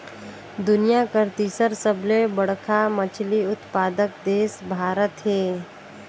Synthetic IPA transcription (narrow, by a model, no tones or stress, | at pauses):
d̪ʊnijakəɾt̪iːsəɾsəblebəɽkʰamət͡ʃʰliʊt̪paːd̪ək̚d̪eːsbʱaːɾət̪ɦeː